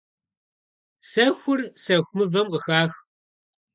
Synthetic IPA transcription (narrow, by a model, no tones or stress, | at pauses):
sɐxʷʊrsɐxʷmɨvɐmqəxaːx